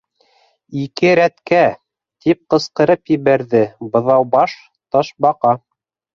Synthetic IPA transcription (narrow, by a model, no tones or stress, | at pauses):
ikɘɾæt̪kæ | t̪ip̚qɤ̆sqɤ̆ɾɤpjɘ̆βæɾðɘbɤ̆ðɑwbɑʃ | t̪ɑʃbɑqɑ